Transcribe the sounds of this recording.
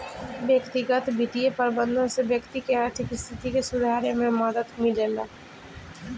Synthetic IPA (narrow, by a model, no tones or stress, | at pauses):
ʋjəkt̪iɡət̪bʱit̪ijepəɾbə̃nd̪ʱõnsebjəkt̪ikeaːɾt̪ʰɪkst̪ʰɪt̪ikesʊd̪ʱaːɾemẽməd̪əd̪mɪlela